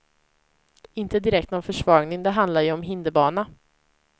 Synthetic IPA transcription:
ɪnt̪əd̪ɪɾɛkt̪nɔnfœʂvɑːɡnɪŋd̪ɛɦand̪laɾjɵɔmɦɪnd̪əbɑːna

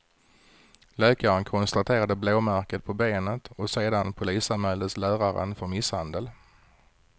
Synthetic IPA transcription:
løːkaɾənkʰɔnst̪at̪ʰeːɾad̪əbloːmæɾkət̪̚pʰɔbeːnət̪ɔseːd̪anpʰʊliːsanmhɛld̪ət̪slæːɾaɾə̰nfœɾmɪshand̪əl

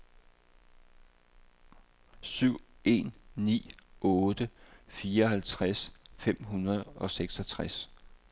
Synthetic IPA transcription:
syʊ̰ | ʔe̝̰nːḭːɔ̽ːd̥əfiːɐɒ̽ɦælt͡sʰʁasfem̰ɦunɐð̞ˠɒ̽seɡ̥sɒt͡sʰʁas

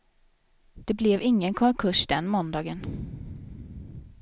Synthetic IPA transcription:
d̪̥ɛblɛvɪŋːənkʰɔŋkʰɵʂd̪ɛnːmɔnd̪ɑːɡən

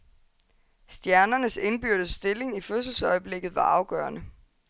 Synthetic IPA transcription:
sd̥jæɐnɐnəse̝nb̥yɐɾ̥əsd̥e̝le̝ŋiføs̬l̩sɒ̽ɪəb̥le̝ɡ̥ð̩ˠʋɑ̈ʔɑ̈ʊɡ̥œːɐnə

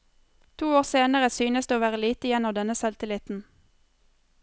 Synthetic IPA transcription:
t̪ʰuːoːʁseːnəʁəsyːnəsd̪eoːʋæːʁəliːt̪əjɛnɔmd̪ɛnəsɑlt̪ɪlɪt̪n̩

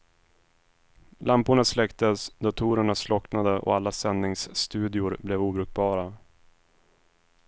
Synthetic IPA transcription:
lampʊɳaslɛkt̪əsd̪ɔt̪ʰuːɾəɳaslɔknad̪əʔɔ̰alːasɛnːɪŋsːt̪ʉ̟ːd̪ɪʊɾblɛvuːbɾʉk̚bɑːɾa

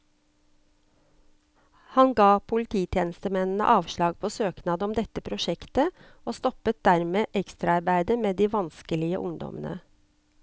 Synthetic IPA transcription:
hɑnɡɑːpʰʊlɪt̪ʰiːt̪ʰjeːnəst̪əmɛnn̩ə̰ʔɑːʋʃɭɑːɡ̚pʰoːsøːknɑːd̪əɔmd̪ɛt̪əpʰɾʊʃɛkt̪ə | oːst̪ɔpət̪̚d̪æɾmeːʔɛkst̪ɾɑɑɾbæɪd̪əmeːd̪iːʋɑnskəlɪə̰ʔʊŋd̪ɔ̰mənə̰

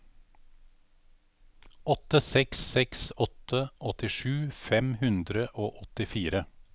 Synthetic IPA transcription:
ʔɔt̪əsɛksɛksɔt̪ʰəʔɔt̪ɪʃʉːfɛmhʉnd̪ɾəʔoːʔɔt̪ɪfiːɾə

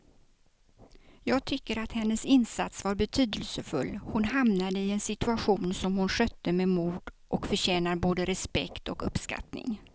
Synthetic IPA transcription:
jɑːɡ̚t̪ʰʏkːəɾat̪hɛnːəsɪnsat̪svaɾbɛt̪ʰyːd̪əlsəfɵlːhʊnhamnad̪əɪɛnsɪt̪ɵaɧuːnsɔmhʊnɧœt̪ːəmemuːɖ̪ | ʔɔkfœɕɛːnaɾboːd̪əɾɛspɛkt̪ɔkɵpska̰t̪nɪ̰ŋ

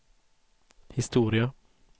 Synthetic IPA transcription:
hɪst̪uːɾɪə

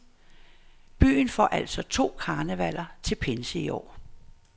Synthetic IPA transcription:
b̥y̰ːnfɒ̰ːʔæl̰sɒ̽t͡sʰo̝̰ːkʰɑ̈ːnəʋæl̰ɐt͡sʰe̝lpʰensəiɒ̰ː

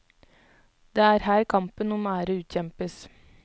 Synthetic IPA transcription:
d̪̥eːæːɾhæːɾkʰɑmpənʊmæːɾəʉːt̪çɛmpəs

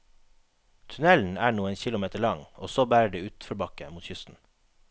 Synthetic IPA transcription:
t̪ʰʉnɛln̩æːɳuːənçɪlʊmeːt̪əɭɑŋo̰ːsoːbæːɾəɖeːʉːt̪fɔɾbɑkə̰muːt̪çʏst̪n̩

